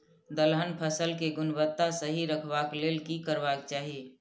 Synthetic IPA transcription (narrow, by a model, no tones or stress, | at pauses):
d̪əlɦənpʰəsəlkeɡʊnbət̪ːasəɦiɾəkʰbakleːlkikəɾbak̚t͡ʃaːɦie